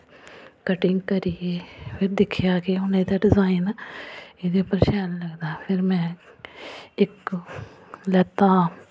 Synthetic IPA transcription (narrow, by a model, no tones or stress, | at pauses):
kəʈɪŋɡkəɾieːpʰɪɾd̪ɪkʰːɪjaːkeʊnẽːt̪ɛɖɪzaːin | eːd̪eːʊpːəɾʃɛːnləɡd̪aːpʰɪɾmɛ̃ː | ɪk | lɛːt̪ãː